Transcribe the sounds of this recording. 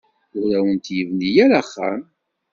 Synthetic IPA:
ʊɾæwənt̪jəvnijæɾaχːa̰m

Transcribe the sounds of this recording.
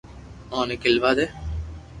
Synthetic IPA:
ãːnekɪlʋaːd̪eː

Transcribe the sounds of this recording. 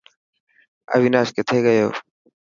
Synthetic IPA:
ə̰ʋiːnaːʃket̪ʰeːɡəjoː

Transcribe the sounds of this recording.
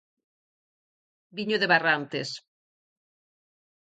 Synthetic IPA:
biɲoðeβarant̪es

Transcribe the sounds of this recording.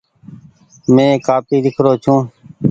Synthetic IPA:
mẽːkaːpiːd̪ɪkʰɾoːt͡ʃʰũː

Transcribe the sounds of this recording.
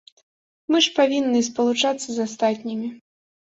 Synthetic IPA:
mɨʂpavʲinːɨspɐlˠut͡ʂat̪sːɐzast̪at̪ʲnʲimʲi

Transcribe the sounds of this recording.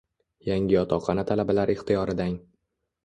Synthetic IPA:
jaŋʲɪɒt̪ʰɒqʰɑnat̪ʰalabalaɾɪχt̪ʰɪjɒɾɪd̪aŋ

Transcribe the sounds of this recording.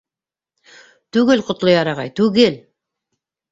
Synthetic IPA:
t̪ʉɡelqʰʊt̪lˠojɑɾɑʁɑjt̪ʉɡel

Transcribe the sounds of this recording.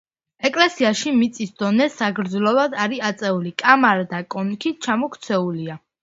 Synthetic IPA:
ɛkʼlɛsiaʃimit̪sʼisd̪ɔnɛsaɡɾd̪zlɔvad̪aɾiat̪sʼɛulikʼamaɾd̪akʼɔnkʰit͡ʃʰamɔkʰt̪sʰɛulia

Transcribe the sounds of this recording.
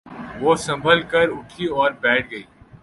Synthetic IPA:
ʋoːsɐ̃mbʱəlkɐɾʊʈʰiɔːɾbɛːʈ̚ʰɡɐiː

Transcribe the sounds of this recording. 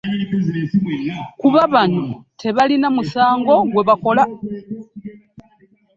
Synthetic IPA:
kuβaβanutʰe̞βalinamusaːŋɡo̞ɡwe̞βako̞la

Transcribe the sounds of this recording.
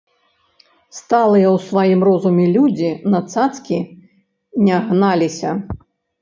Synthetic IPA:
st̪alˠɨjɐwsvajimrɔzumʲɛlʲud͡zʲinɐt̪sat̪skʲi | nʲɛɣnalʲisʲɐ

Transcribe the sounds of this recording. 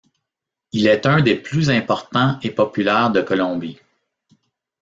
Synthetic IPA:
ilɛt̪œ̃d̪eplyzɛ̃pɔʁt̪ɑ̃epɔpylɛːʁd̪əkɔlɔ̃bi

